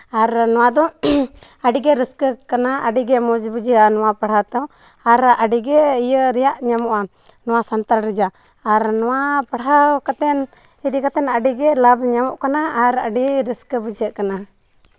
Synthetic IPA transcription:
aɾnɔwad̪ɔ | aɖiɡɛɾəskəkanaəɖiɡɛmɔd͡ʒbəd͡ʒanɔwapaɽ̤at̪ɔ | aɾaɖiɡɛijəɾɛjaʔɲamɔʔa | nɔwasant̪aɾɾəd͡ʒaː | ɾnɔwapaɽakat̪ɛn | iɾikat̪ɛnaɖiɡɛlabɲamɔʔkanaːɾa̰ɖiɾəskəbəd͡ʒəʔkana

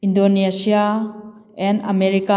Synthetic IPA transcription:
ĩndonesia | ɛ̃na̰mɛɾika

